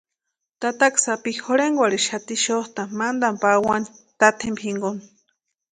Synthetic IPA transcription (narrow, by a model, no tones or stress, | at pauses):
t̪at̪aksapihoɾeŋɡwaɾiʃat̪iʃoht̪amand̪ampawani | t̪at̪ʰembʰiŋɡon